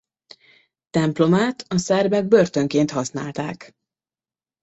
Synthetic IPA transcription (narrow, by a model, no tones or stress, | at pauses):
t̪ɛmplo̞maːt̪ʰɒsɛrbɛɡ̚børt̪ø̞ŋkeːnt̪hɒsna̰ːlt̪aːk